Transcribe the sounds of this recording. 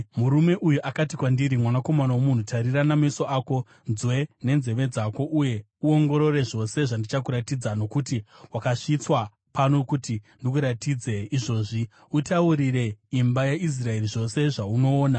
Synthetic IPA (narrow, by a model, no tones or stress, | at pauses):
muɾume̞ʔujuʔakatikwandiɾimwanako̞manawomun̤utʰaɾiranamaiso̞aːko̞ | nzwe̞ne̞nze̞ʋe̞d͡zako̞ʔuje̞ | uo̞ŋɡo̞ɾo̞re̞ʐo̞se̞ʐandit͡ʃak̬uɾatid͡zano̞kutiwakaʂit͡swa | pano̞kutindik̬uɾatiːd͡ze̞iʐo̞ːʐi | utauɾire̞imbajeʔis̬rae̞riʐo̞se̞ʐauno̞ːna